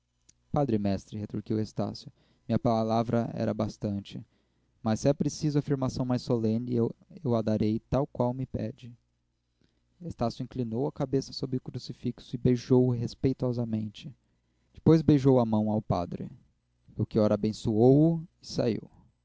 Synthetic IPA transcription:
pad̪ɾɪmɛst̪ɾɪhet̪ɾuɾkiwest̪a̰sjʊ | mĩɲɐpalavɾɐɛ̰ɾɐ̰bast̪ɐ̃nt͡ʃɪ | mɐsɛpɾesizʊafiɾmasɐ̃w̃majsolẽnɪewewad̪aɾejt̪awkwawmɪpɛ̰d͡ʒɪ | est̪asjʊĩklinowɐkabesɐ̥sobɾɪʊkɾusifiksʊɪbejʒowʊɦespejt̪ɔzɐmẽnt͡ʃɪ̥ | d͡ʒɪ̥pojzbejʒowɐmɐ̃w̃awpa̰d̪ɾɪ̰ | owkiɔɾɐabẽsuowʊɪsa̰ḭw

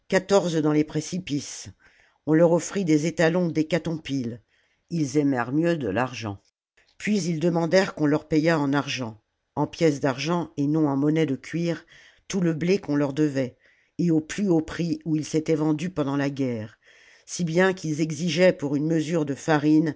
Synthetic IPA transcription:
kat̪ɔʁzd̪ɑ̃lepχesipis | ɔ̃lœʁɔfχid̪ezet̪alɔ̃d̪ekat̪ɔ̃pil | ilzɛmɛʁmjød̪ə̰laʁʒɑ̰̃ | pɥizild̪əmɑ̃d̪ɛʁkɔ̃lœʁpɛjaɑ̃naʁʒɑ̃ | ɑ̃pjɛsd̪aʁʒɑ̃enɔ̃ɑ̃mɔnɛd̪əkʲɥiʁ | t̪uləblekɔ̃lœʁd̪əvɛ | eoplyopχiuilset̪ɛvɑ̃d̪ypɑ̃d̪ɑ̃laɡʲɛʁ | sibjɛ̃kilzɛɡziʒɛpuʁynməzyʁd̪əfaʁin

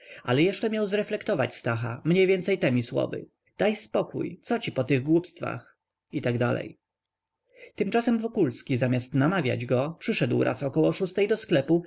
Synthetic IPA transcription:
ʔa̰lɛjɛʂt͡ʂɛmjawzɾɛflɛkt̪ɔvat͡ɕst̪axa̰mɲɛjvʲjɛnt̪sɛjt̪ɛmʲiswɔ̰vɘ̰ | d̪̥ajspɔkṵjt̪sɔt͡ɕipɔt̪ɘɣɡwupst̪fa̰x | it̪aɡd̪alɛ̰j | t̪ɘmt͡ʂasɛmvɔkulskʲizamʲjast̪namavʲja̰d͡ʑɡɔpʂɘʂɛd̪wɾʔa̰sɔkɔwɔʂust̪ɛjd̪ɔsklɛpu

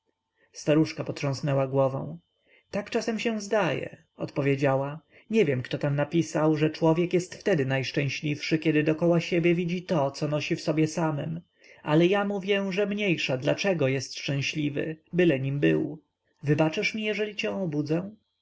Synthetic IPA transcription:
st̪aɾuʂkapɔt̪ʂɔ̃w̃snɛwaɡwɔvɔ̰̃w̃ | t̪akt͡ʂasɛmɕɛw̃zd̪ajɛ̰ | ɔ̰t̪pɔvʲjed͡ʑawa | ɲɛvʲjɛmkt̪ɔt̪amnapʲisawʐɛt͡ʂwɔvʲjɛkjɛst̪ft̪ɛd̪ɘnajʂt͡ʂɛ̃w̃ɕlʲifʂɘkʲɛd̪ɘd̪ɔkɔwaɕebʲjɛvʲid͡ʑit̪ɔt̪sɔnɔɕifsɔbʲjɛsamɛm | a̰lɛjamuvʲjɛʐɛmɲejʂad̪lat͡ʂɛɡɔjɛst̪ʂt͡ʂɛ̃w̃ɕlʲivɘ̰bɘlɛɲimbɘ̰w | vɘbat͡ʂɘʂmʲijɛʐɛlʲit͡ɕɛ̃ɔbud̪zɛ̃

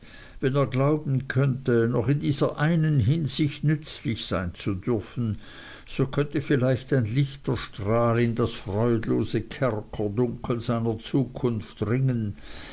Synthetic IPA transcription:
vɛneːɐɡlaʊbn̩kʰœntənɔχɪndiːz̥ɐʔaɪnənɦɪnzɪçtnʏt͡slɪçsaɪnt͡sudʏɐfn̩ | z̥okʰœntəfɪlaɪçtaɪnlɪçtəʃtʁaːlɪndasfʁ̥ɔʏdloːzəkʰɛʁkʰədʊŋkʰl̩zaɪnɐt͡suːkʰʊnftʁɪŋən

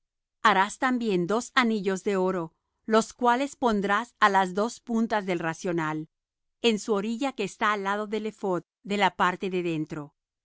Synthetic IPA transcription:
aɾast̪ambje̞nd̪o̞saniʝo̞zðe̞o̞ɾo̞ | lo̞skwale̞spo̞nd̪ɾasalazðo̞spunt̪azðe̞lrasjo̞nal | e̞nsuo̞ɾiʝake̞ːst̪aːlað̞o̞ðe̞le̞fo̞t̪̚ðe̞lapaɾt̪e̞ðe̞ðe̞nt̪ɾo̞

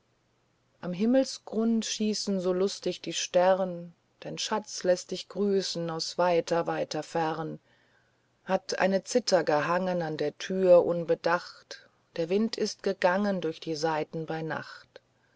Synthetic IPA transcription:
ʔamɦɪml̩sɡ̥ʁʊntʃiːsn̩zoːlʊstɪçd̥iːʃtɛʁən | d̥aɪnʃat͡slɛst̚d̥ɪçɡ̥ʁyːsn̩aʊsv̥aɪtʰɐvaɪtʰɐfɛʁən | hatʔa̰ɪnət͡sɪtʰɐɡəɦaŋənandeːɐtʰyːɐʔʊnbədaχt | d̥eːɐvɪntʰɪst̚ɡ̥əɡaŋəndʊɐçd̥iːzaɪtn̩baɪna̰χt

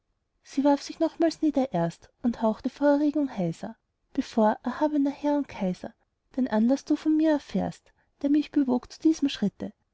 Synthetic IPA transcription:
siːvaɐfsɪçnɔχmaːlsniːdɐʔeɐstʊnthaʊxtəfoːɐɛʁeːɡʊŋhaɪzɐ̰ | b̥efoːɐʔɛɐhaːbənɐhɛɐʊnt̚kʰaɪzɐ̰ | d̥eːnʔanlasd̥uːfɔnmiːɐɛɐfḛːɐst | d̥eːɐmɪçb̥evoːkt͡su̥d̥iːz̥m̩ʃʁ̥ɪtə

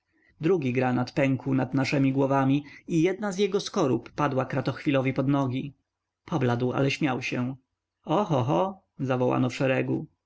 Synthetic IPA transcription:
d̪ɾuɡʲiɡɾanat̪pɛŋkunad̪naʂɛmʲiɡwɔvamʲiijɛd̪nazjɛɡɔskɔɾupːad̪wakɾat̪ɔxfʲilɔvʲipɔd̪nɔɡʲi | pʰɔblad̪wa̰lɛɕmʲawɕɛ̃ | ɔxɔxɔ | zavɔwa̰nɔfʂɛɾɛɡu

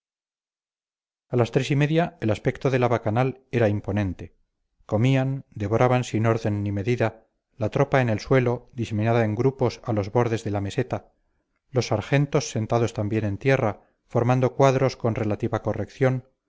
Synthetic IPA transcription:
alast̪ɾe̞sime̞ðjaelaspe̞kt̪oðe̞laβakanale̞ɾaimpo̞nẽ̞nt̪e̞ | ko̞miand̪e̞βo̞ɾʔaβansino̞ɾðe̞nːime̞ðiða | lat̪ɾo̞paene̞lswe̞lo̞d̪iseminaðae̞ŋɡɾupo̞salo̞zβo̞ɾðe̞zðe̞lame̞se̞t̪a | lo̞sːaɾxe̞nt̪o̞sːe̞nt̪aðo̞st̪ambje̞nẽ̞nt̪je̞ra | fo̞ɾmãnd̪o̞kwaðɾo̞sko̞nre̞lat̪iβako̞rekθjo̞n

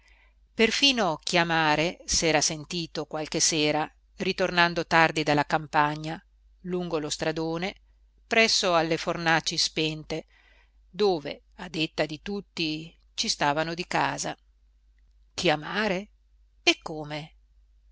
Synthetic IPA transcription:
perfiːnokjamaːɾesɛːɾasent̪iːt̪okwalkeseːɾa | rit̪ornand̪ot̪ard̪id̪alːakampaɲːa | luŋɡolost̪ɾad̪oːne | pɾɛsːoalːefornat͡ʃːispɛnt̪e | d̪oːvḛ | ad̪et̪ːad̪it̪ut̪ːi | t͡ʃist̪aːvanod̪ikaːza | k̟iamaːɾe | ekːoːme

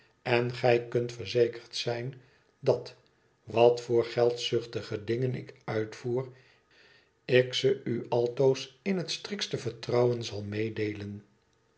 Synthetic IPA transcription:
ɛnχɛjkɵntfəɹzejkəɹtsɛjn | dɑt | ʋɑtfʊːɹχɛlˠtsʏχtəχədɪŋənɪ̰kœɥtfuːr | ɪksəyɑlˠtowsɪnɦətstrɪkstəvəɹtrɑwənzɑlˠmejdejlən

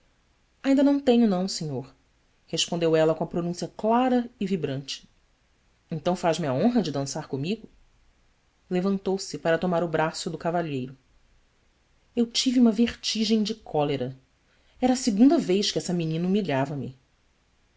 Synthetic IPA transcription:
aĩd̪ɐnɐ̃w̃t̪ẽɲʊnɐ̃w̃sẽɲoɾ | heʃpõnd̪ewɛlɐkõɐpɾonũsiɐklaɾɐɪvibɾɐ̃nt͡ʃɪ̥ | ẽnt̪ɐ̃w̃faʒmɪɐõɦɐd͡ʒɪd̪ɐ̃saɾkõmiɡʊ | levɐ̃nt̪owsɪpaɾɐt̪omaɾʊbɾasʊd̪ʊkavaʎejɾʊ | ewt͡ʃiviũmɐveχt͡ʃiʒẽj̃d͡ʒɪkʰɔleɾɐ | ɛɾɐːsɪɡũnd̪ɐvejʃkɪɛsɐminĩnɐumiʎavɐmɪ̰

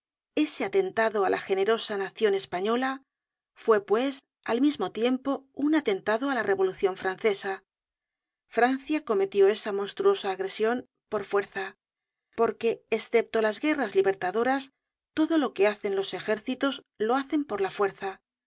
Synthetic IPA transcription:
e̞se̞at̪e̞nt̪aðo̞alʔaxe̞ne̞ɾo̞sanaθjo̞ne̞spaɲo̞la | fwe̞pwe̞s | almizmo̞t̪je̞mpo̞unat̪e̞nt̪aðo̞alare̞βo̞luθjoɱfɾan̟θe̞sa | fɾanθjako̞me̞t̪jo̞e̞samo̞nst̪ɾuo̞saːɣɾe̞sjom | po̞ɾfwe̞ɾθa | po̞ɾke̞ːsθe̞p̚t̪o̞lazɣe̞razliβe̞ɾt̪aðo̞ɾas | t̪o̞ðo̞lo̞ke̞aθe̞nlo̞se̞xe̞ɾθit̪o̞z | lo̞aθe̞mpo̞ɾlafwe̞ɾθa

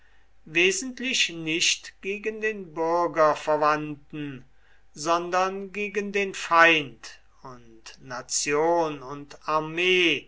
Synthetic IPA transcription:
veːzən̩tlɪʃnɪʃtɡ̥eːɡəndeːnbʏɐɡɐfɛɐvantn̩ | zɔndɐnɡeːɡəndeːnfaɪnt | ʊntnat͡sjoːnʊntaɐmeː

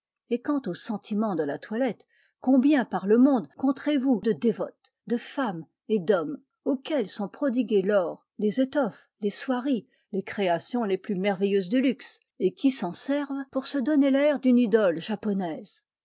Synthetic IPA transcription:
ekɑ̃t̪osɑ̃t̪ʰimɑ̃d̪əlat̪walɛt̪ | kɔ̃bjɛ̃paʁləmɔ̃d̪kɔ̃t̪χevud̪əd̪evɔt̪ | d̪əfam | ed̪ɔm | okʲɛlsɔ̃pχɔd̪iɡʲelɔːʁ | lezet̪ɔf | leswaʁi | lekχeasjɔ̃leplymɛʁvɛjøzd̪ylyks | ekʲisɑ̃sɛʁvpuʁsəd̪ɔnelɛʁd̪ynid̪ɔlʒapɔnɛz

